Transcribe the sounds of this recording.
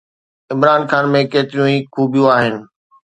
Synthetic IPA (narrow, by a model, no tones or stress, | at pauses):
ɪmɾaːnxaːnmẽkeːt̪ɪɾijũĩkʰuːbʱjũaːɦɪnɪ̆